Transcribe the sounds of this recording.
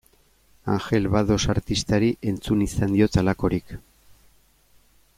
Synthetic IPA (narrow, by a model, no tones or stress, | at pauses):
a̰ŋxe̞lβaðo̞saɾt̪ist̪aɾiʔe̞nt͡sunisand̪io̞t͡salako̞ɾik